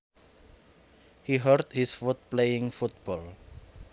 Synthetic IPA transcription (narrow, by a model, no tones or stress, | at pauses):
hiɦərd̪hisfut̪̚plejɪ̃ŋfut̪̚b̥ɔl